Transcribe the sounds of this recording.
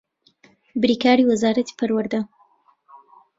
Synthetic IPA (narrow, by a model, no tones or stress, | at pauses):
bɾiːkaːɾiwazaːɾɐt̪i̥pʰɐɾwəɾd̪a